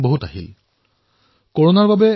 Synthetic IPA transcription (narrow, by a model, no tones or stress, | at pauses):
boɦutaɦil | koɹonaɹbabɛ